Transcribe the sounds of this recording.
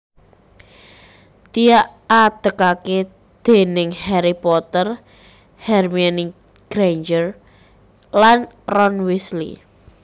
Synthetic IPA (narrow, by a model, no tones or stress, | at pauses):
t̪ijaʔat̪əkake | d̪̥e̤nɪŋhɛɾipɔt̪ər | hɛrmani | ɡ̥ɾend͡ʒər | lan | rɔnwislḭ